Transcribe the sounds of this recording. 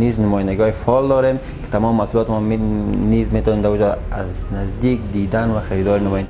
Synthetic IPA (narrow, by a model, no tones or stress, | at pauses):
niznʊmɔjand̪aɡiɔifɔld̪ɔɾem | kɪ̥t̪ʰamɔmːasulɔt̪mɔnizmet̪ɔnemd̪aud͡ʒɔaznazd̪ikd̪id̪anvaxaɾid̪ɔɾɪnʊmɔjnd̪